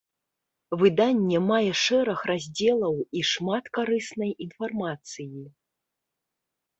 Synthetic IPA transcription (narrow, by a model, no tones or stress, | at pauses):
vɨd̪anʲːɛmajɛʂɛɾɐxrazʲd͡zʲɛlˠɐwiʂmat̪kaɾɨsnɐjinfarmat̪sɨji